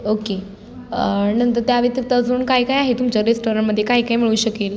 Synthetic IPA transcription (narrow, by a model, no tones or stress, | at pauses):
oke | nənt̪əɾt̪jaʋet̪ət̪əd͡zuːnkaɦiːkaiaɦet̪umt͡ɕəɾesʈoɾəɳməd̪ʱːjekaɦiːkaɦiːmiɭuːɕəkiːl